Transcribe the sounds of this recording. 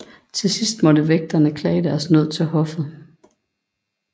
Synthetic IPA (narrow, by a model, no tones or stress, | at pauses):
t͡sʰe̝sisd̥mɒ̽dəʋeɡ̥̚d̥ɐnəkʰlɛ̰ːɪd̥æɐsnøð̰ˠt͡sʰe̝lɦɒ̽fð̩ˠ